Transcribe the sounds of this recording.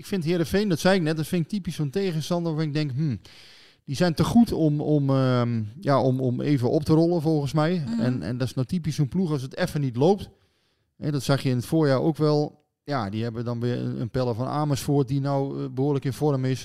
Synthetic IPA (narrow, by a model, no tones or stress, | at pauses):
ɪkfɪnthɪəɾəfɛndɔtsɛjɪk̚nɛt̚dɔtfɪnɪk̚tipisonteːɣəstɑndʋafɔnɪɡ̚dɛŋkmm̩ | d̥isɛjntəxutomɔm | jaomomḛːvəʔop̚tərɔlˠəfɔlˠɣənsmɛjɛ̰nɛ̰ndɔsnotipissonpluɔs̬ətɛfənitlowp̚t | ɛ̰dɔtsaxjəɪnətfoːrjaːo̰ːkʋɛlˠ | jadiɦɛbəʋədɔnʋɪə̰ə̰npɛlˠəvɔna̰ːməsfoət̚dinɔwbəɦuədləkɪnfɔrəmɪs